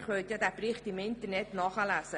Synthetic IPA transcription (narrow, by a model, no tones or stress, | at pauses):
χʋœlt̪jɑd̪æːbrɪχt̪imɪnt̪əɾnɛtnɑχəlæːsə